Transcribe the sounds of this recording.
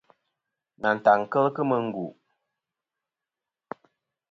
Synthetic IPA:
na˨n̩˨ta˨ŋ˨kə˦lkɨ˦mə˨ŋ̩˦ɡu˨ʔ

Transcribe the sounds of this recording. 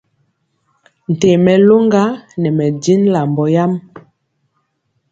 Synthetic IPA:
n̩˨te˨mɛ˨lo˦ŋɡa˦nɛ˨mɛ˨di˦nla˨mbɔ˨ja˦m

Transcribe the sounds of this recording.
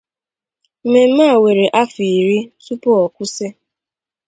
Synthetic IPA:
m̩˨me˨m̩˦maː˦˨we˨ɾe˨ʔa˦fi˨i˨ɾi˦su˦pɔ˦ɔ˨kʷʊ˦se˦

